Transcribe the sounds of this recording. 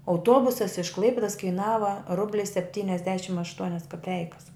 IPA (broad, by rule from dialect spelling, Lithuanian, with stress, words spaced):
ɐʊˈtuɔbʊsɐs ɪʃ ˈklˠɐɪpʲɪdoːs kɐɪˈnɑːʋɐ ˈrʊbʲlʲɪ sʲɛpʲˈtʲiːnʲɛzʲdʲɛʃʲɪm ɐʃˈtuɔnʲɛs kɐˈpʲɛɪkɐs